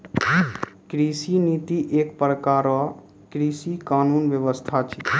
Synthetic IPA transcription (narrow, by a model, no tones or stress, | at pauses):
kɾisinit̪iʔekpɾəkaɾɔ | kɾisikanunʋjəʋəst̪ʰat͡ʃʰi